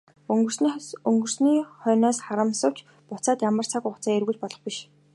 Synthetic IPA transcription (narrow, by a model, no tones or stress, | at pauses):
ŋɡɵ̆rsɵŋɡɵ̆r̥sniːχœːnɔːsχaɾə̆msə̆wt͡ɕ | pʊt͡saːt̪jamə̆r̥t͡sʰakʊχt͡saːerɣŭt͡ɕpɔɮɞ̆χpiʃ